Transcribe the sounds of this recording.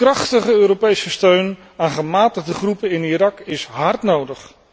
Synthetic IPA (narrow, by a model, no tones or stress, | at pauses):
krɑχtəχəøːɾopejsəstøɥn | aːnχəmaːtəχdəχrupənɪniɾɑkɪsɦɑɹtnowdəχ